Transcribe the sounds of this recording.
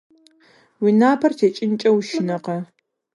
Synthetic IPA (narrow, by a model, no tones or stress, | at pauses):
winaːpʰɐrtʰeːt͡ʃʼɪnt͡ʃʼɐwʃɪnɐqɐ